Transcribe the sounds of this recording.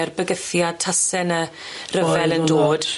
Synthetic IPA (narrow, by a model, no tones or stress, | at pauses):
rbəɡəθjatʰasɛnərəvɛlˠəndoːd̥